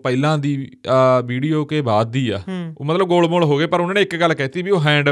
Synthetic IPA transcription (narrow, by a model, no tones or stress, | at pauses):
pəɪlãːd̪iːʋiːɖijoːkeːbaːd̪ːiːaːo̰ːmət̪ləb̚ɡoːlmoːlɦoːɡeːpəɾʊnãːneːɪkɡəlːkɛːt̪iːbiːoːɦɛ̃ːɳɖ